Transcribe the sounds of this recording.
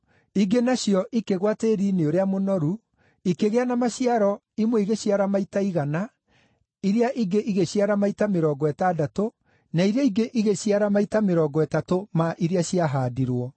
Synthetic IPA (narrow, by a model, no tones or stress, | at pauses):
iɡenajɔʔikeɣwateɾineoɾeamonɔɾu | ikeɣeanamaɕiaɾɔ | imweiɣeɕjaɾamaitaiɣana | iɾeaʔiɡeʔiɣeɕjaɾamaitameɾɔːɡɔɛtaːdato | naiɾjaiɡeʔiɣeɕiaɾamaitameɾɔːɡɔɛtatomaʔiɾeaɕiaɦaːdiɾwɔ